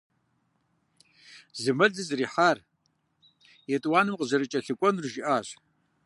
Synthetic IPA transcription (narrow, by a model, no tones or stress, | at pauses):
zɨmɐɮɨzriːħar | jetʼwaːnɨmqʼəzɐɾɨt͡ʃʼɐɬɨkʷʼɔnrɨʒiʔaːɕʷ